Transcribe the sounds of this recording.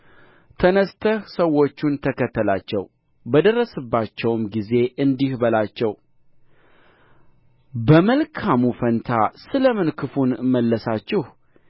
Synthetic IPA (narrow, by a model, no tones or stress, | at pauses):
t̪ʰənəst̪ʰəhsəwːo̞t͡ʃːunt̪ʰəkʰət̪ʰːəlat͡ʃːɛw | bəd̪ərːəsɨbːat͡ʃːɛwmɡize̞ʔɨnd̪ihbəlat͡ʃːɛw | bəməlkʰamufənt̪ʰasɨləmɨnkʰɨfunməlːəsat͡ʃːɪh